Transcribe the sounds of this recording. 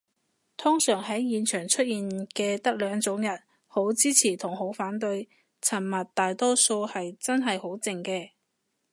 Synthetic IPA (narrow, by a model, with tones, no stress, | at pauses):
t̪ʰʊ˥ŋsœː˨˩ŋɦɐ˨˥jːiː˨nt͡ʃʰœː˨˩ŋt͡ʃʰɵ˥t̚jiː˨nkɛː˧t̪ɐ˥k̚lœː˨˧ŋt͡sʊ˨˥ŋjɐ˨˩t̚ | ho˨˥wt͡siː˥t͡sʰiː˨˩t̪ʰʊ˨˩ŋho˨˥wfaː˨˥nt̪ɵ˧ɥ | t͡sʰɐ˨˩nmɐ˨t̚t̪aː˨jt̪ɔː˥so˧whɐ˨jt͡sɐ˥nɦɐ˨jho˨˥wt͡sɪ˨˧ŋkɛː˧